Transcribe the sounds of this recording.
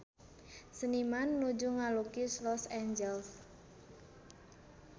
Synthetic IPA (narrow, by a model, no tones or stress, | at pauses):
sənimanːud͡ʒuŋalukislɔsɛɲd͡ʒɛls